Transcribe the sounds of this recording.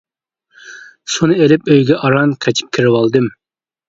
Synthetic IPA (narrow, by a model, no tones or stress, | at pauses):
sunɨelɪpøjɡʲɛʔɑɾɑnqʰɑt͡ʃʰi̥p̚kʲʰiɾɪwɑlˠd̪ɨm